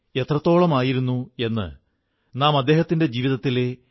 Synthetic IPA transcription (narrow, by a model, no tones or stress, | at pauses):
e̞t̪rɐt̪ːo̞ːɭɐmaːjiɾunːue̞nːɨ̰ | naːmɐd̪ːe̞ːɦɐt̪ːinde̞d͡ʑiːʋiðɐt̪ːile